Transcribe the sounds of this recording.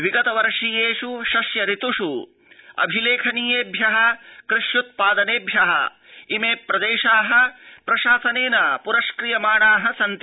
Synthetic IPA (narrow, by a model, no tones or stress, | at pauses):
ʋiɡɐt̪ɐʋɐɾʂijeːʂuʃɐsjɐɾit̪uʂu | ɐ̰bʱileːkʰɐniːjeːbʱjɐɦɐ̆kɾɪʃjut̪̚paːd̪ɐneːbʱjɐɦɐ̰ | imeːpɾɐd̪eːʃaːɦɐ̆pɾɐʃaːsɐneːnɐpuɾɐʃkɾijɐmaːɳaːɦɐsɐnt̪